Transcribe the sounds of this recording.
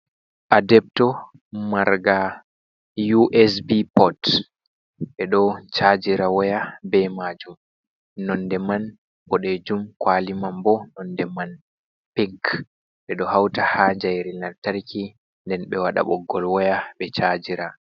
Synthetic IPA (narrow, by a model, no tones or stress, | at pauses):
ʔadɛp̚tɔ | maɾɡa | juʔɛsbipɔt | ɓɛɗɔt͡ʃad͡ʒiɾawɔjabɛmad͡ʒum | nɔndɛman | pɔɗed͡ʒumkwalimambɔnɔndɛman | piŋk | ɓɛɗɔhawtahaːɲd͡ʒajɾinantaɾkʰi | ndɛnɓɛwaɗa̰ɓɔɡːɔlwɔjaɓɛt͡ʃaːd͡ʒiɾa